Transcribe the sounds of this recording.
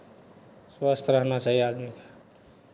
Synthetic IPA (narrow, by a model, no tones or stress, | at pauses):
swast̪ʰɾəɦnasaɦiad̪mikḁ